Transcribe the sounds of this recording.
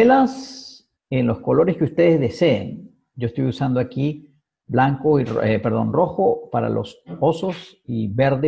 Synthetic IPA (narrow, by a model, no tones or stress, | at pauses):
elas | enlo̞skolo̞ɾeskeust̪eðezðese̞ḛn | ɟ͡ʝoest̪ojusand̪oaki | blaŋkoirepeɾðo̞̰nro̞xopaɾa̰lo̞̰sososiβeɾðe